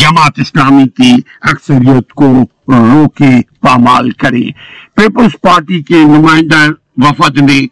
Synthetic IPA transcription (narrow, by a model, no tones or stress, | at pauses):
d͡ʒɐmaːt̪ɪslaːmit̪iː | ɐksəɾijət̪ko | ɾoːkepaːma̰ːlkɐɾḛːpeːpəlzpaːɾʈikenʊmaːɪ̃nd̪a | ʋɐfət̪nd̪e